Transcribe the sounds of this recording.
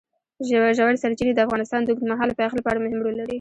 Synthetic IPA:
ʒʒawaɽsaɾt͡ʃiɾed̪əafɣɑnɪst̪ɑnd̪əɡt̪maɦɑlpəaxlapəaɽamʊhɪmɽolaɽi

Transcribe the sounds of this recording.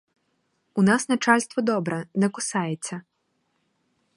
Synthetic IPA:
unasnɐt͡ʂalʲst̪vɐd̪ɔbɾɛnɛkʊsajɛt͡sʲːɐ

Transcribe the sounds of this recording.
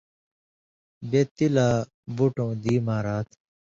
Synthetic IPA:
bet̪ilaː | buʈõːd̪iːmaːɾaːt̪ʰ

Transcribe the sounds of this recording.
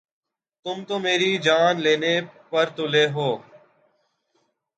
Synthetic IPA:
t̪ʊmt̪oːmeːɾiːd͡ʒaːnleːneːpəɾt̪ʊleːɦoː

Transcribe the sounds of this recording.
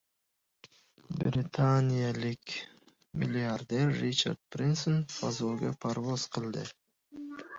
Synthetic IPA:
bɾʲɪt̪ʰanʲijalˠɨk | mʲɪlʲɪard̪erːit͡ʃa̰rd̪̚pɾʲinsonfazolɡopʰaɾvosqʰɨlˠd̪ɨ

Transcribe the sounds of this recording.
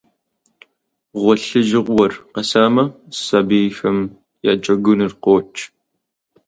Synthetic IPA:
ʁʷɔɬɨʒɨʁʷwɔrqɐsaːmɐsɐbiːjxɐm | ja̰ːt͡ʃʼɐɡʷʊnɨrqoːt͡ʃʰʼ

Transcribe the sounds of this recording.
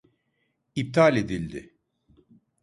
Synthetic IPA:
ip̚t̪ʰalʲed̪ilʲd̪ɪ̰

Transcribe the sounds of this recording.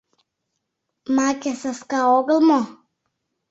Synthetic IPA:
makʲɛsaskaɔɡəlˠmɔ

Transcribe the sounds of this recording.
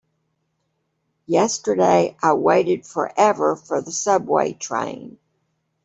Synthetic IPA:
jɛstə˞deɪʔaɪweɪɾɨd̥fə̰˞ʔɛvə˞fə˞ðəsʌbwḛɪtʰɹ̥ḛ̃ɪ̃n

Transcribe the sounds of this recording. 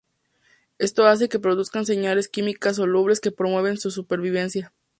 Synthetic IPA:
e̞st̪o̞as̬e̞ke̞pɾoðuskans̬e̞ɲale̞skimikas̬ːo̞luβɾe̞ske̞pɾomwe̞βe̞nsus̬upe̞ɾβiβ̞e̞nsja

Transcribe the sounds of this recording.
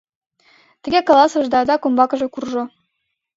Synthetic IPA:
t̪ɘ̆ɡʲekolˠɑsɤ̆ʒd̪ɑd̪ɑkombɑkɤ̆ʒĕkurʒɤ̆

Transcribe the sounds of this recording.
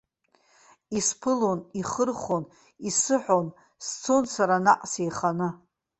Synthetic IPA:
ispʰɨloniχərχon | isɨħʷon | st͡sʰonsaɾana̰qʼsejχanɨ

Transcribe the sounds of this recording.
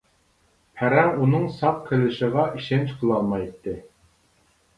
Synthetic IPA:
pʰæɾæmunɤɴsɑqkʰʲːɘ̆lɘ̆ʃɤ̆ʁɑʔiʃent͡ɕqʰɤ̆lˠɑlˠmɑjt̪ːɘ

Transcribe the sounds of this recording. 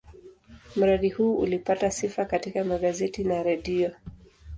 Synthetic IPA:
m̩ɾaɗihuːṵlipatasifakatikamaɠazɛtinaɾɛɗiɔ

